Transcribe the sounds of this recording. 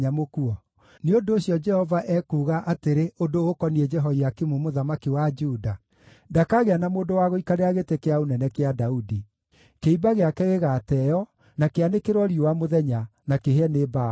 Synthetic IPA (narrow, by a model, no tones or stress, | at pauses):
amokuɔ | neondoːɕjɔd͡ʒɛhɔvaʔɛkuːɣaʔateɾeondoɣokɔniɛd͡ʒɛɦɔiakimumoðamakiwad͡ʒuda | dakaɣeanamoːndowaɣoikaɾeaɣetekeaonɛnɛkeadaudi | keibaɣeakɛɣeɣaːtɛjɔ | nakeanekeɾwɔɾiowamoðɛɲanakeɦɛneba